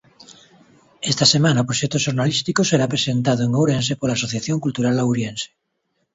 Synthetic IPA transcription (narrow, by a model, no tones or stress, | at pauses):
est̪asemãnaopɾoʃek̚t̪oʃoɾnalist̪ikoseɾapɾesent̪aðoeŋawɾensepolaːsoθjaθjoŋkult̪uɾalawɾjense̥